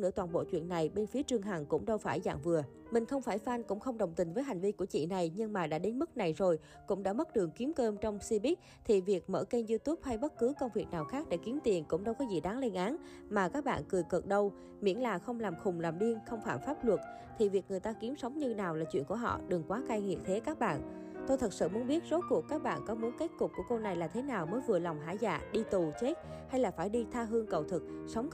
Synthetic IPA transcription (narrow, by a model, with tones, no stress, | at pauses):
nɨ̰˧˥ət̪waː˨˩nɓo̰˧˨t͡ɕwḭ˧˨ənːa˨˩jɓe˧nfi˨˦ət͡ɕɨ˧əŋɦa˨˩ŋkʊ̰˧˥ŋ͡mɗə˧wfaː˧˩jza̰ː˧˨ŋvɨ˨˩ə | mï˨˩ŋ̟xə˧wŋ͡mfaː˧˩jfa˧nkʊ̰˧˥ŋ͡mxə˧wŋ͡mɗə˨˩wŋ͡mt̪ï̟˨˩vəː˨˦jɦa˨˩ŋ̟vi˧ku˧˩ət͡ɕḭ˧˨na˨˩jɲɨ˧ŋmaː˨˩ɗa̰ː˧˥ɗe˨˦nmɨ˦˥k̚na˨˩jzo˨˩j | kʊ̰˧˥ŋ͡mɗa̰ː˧˥mə˦˥t̚ɗɨ˨˩əŋki˨˦mkəː˧mt͡ɕɔ˧wŋ͡msi˧ɓi˦˥k̚ | t̪ʰi˨˩vi˨˩ək̚mə̰ː˧˩ke˧nzu˧t̪u˦˥p̚ha˧jɓə˦˥t̚kɨ˨˦kə˧wŋ͡mvi˨˩ək̚naː˨˩wxaː˦˥k̚ɗḛ˧˩ki˨˦əmt̪i˨˩ənkʊ̰˧˥ŋ͡mɗə˧wkɔ˨˦zi˨˩ɗaː˨˦ŋle˧nʔaː˨˦n | maː˨˩kaː˦˥k̚ɓa̰ː˧˨nkɨ˨˩jkə˨˩t̚ɗə˧w | mḭ˧˥nlaː˨˩xə˧wŋ͡mlaː˨˩mxʊ˨˩ŋ͡mlaː˨˩mɗi˧ənxə˧wŋ͡mfaː˧˩mfaː˦˥p̚lwə˨˩t̚ | t̪ʰi˨˩vi˨˩əkŋɨ˨˩əjt̪aː˧ki˨˦msə˨˦wŋ͡mɲɨ˧naː˨˩wlaː˨˩t͡ɕwḭ˧˨ənku˧˩əɦɔ̰˧˨ɗɨ˨˩ŋkwaː˨˦kaː˧jŋḭ˨əp̚t̪ʰe˨˦kaː˦˥k̚ɓa̰ː˧˨n | t̪o˧jt̪ʰə˨˩t̚sɨ̰˧˨mu˨˦ənɓi˦˥ət̚zo˨˦ku˨˩əkːaː˦˥k̚ɓa̰ː˧˨nkɔ˨˦mu˨˦ənke˦˥t̚kʊ˨˩p̚ku˧˩əko˧wna˨˩jlaː˨˩t̪ʰe˨˦naː˨˩wməː˨˦jvɨ˨˩əla˨˩wŋ͡mɦa̰ː˧˩jza̰ː˧˨ɗi˧t̪u˨˩t͡ɕe˦˥t̚ha˧jlaː˨˩faː˧˩jɗi˧t̪ʰaː˧ɦɨ˧əŋkə˨˩wt̪ʰɨ˨˩k̚sə˨˦wŋ͡m